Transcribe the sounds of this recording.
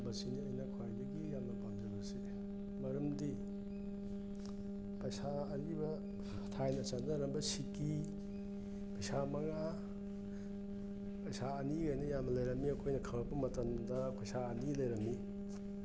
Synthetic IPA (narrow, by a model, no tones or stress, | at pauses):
bɐsiniɐjnɐkʰwajbɐɡijamnɐpamd͡ʒɐbɐse | mɐɾɐmdi | pɐjsaːɾibɐ | tʰajnɐsanɐɾɐmbɐsiki | pɐjsamɐŋa | pɐjsaːniɡajnɐjamnɐlɐjɾɐmiɐkʰojnɐkʰɐlɐpɐmɐtɐmdɐpɐjsaɐnilɐjɾɐmi